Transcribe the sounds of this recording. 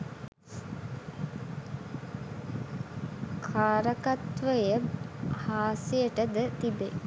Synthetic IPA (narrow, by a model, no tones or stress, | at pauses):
kʰaːɾəkat̪ʋəjəhaːsijəʈəd̪ət̪ibe